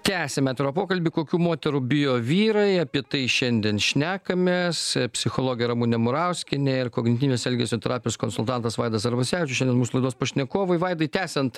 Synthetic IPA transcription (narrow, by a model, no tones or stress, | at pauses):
t̪ʲæːsʲɛmʲæːt̪ʲɛɾoːpoːkɐlʲbʲikoːkʲuːmoːt̪ʲɛɾubʲɪjoːʋʲiːɾɐɪɐpʲiɛt̪ɐɪʃʲɛnʲd̪ʲiɛnʃʲnʲæːkɐmʲeːspʲsʲɪxoːlˠoːɡʲjɛɾɐmuːnʲɛmʊɾɐʊsʲkʲɪnʲeɪɾkoːɡʲnʲɪt̪ʲiːnʲeːsɛlʲɡʲesʲoːt̪ʲɛɾɑːpʲɪjoːskonsʊlˠt̪ɑnt̪ɐsʋɐɪd̪ɐsɐɾbɐsʲæːʋʲɪt͡ʃʲʊʃʲɛnd̪ʲɛnmuːsʊlˠɐɪd̪oːspɐʃʲnʲɛkoːʋoɪʋɐɪd̪ɐɪt̪ʲæːsʲɛnt̪